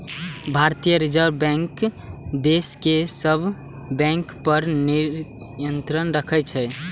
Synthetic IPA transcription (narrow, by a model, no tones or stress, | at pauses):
bʱaɾt̪ijəɾid͡ʒəɾbɛ̃ŋk | d̪eskesəbʱ | bɛ̃ŋkpəɾniɾ | jənt̪ɾənɾəkʰɛt͡ʃʰɛ